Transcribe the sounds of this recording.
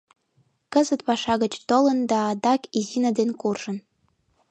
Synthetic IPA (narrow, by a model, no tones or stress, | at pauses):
kəzət̪pɑʃɑɣət͡ɕt̪olə̆nd̪ɑːd̪ɑkizinəd̪enkurʒ̥ə̆n